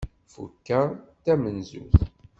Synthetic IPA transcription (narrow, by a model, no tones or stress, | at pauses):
fṵkːæt̪ːæmənzṵθ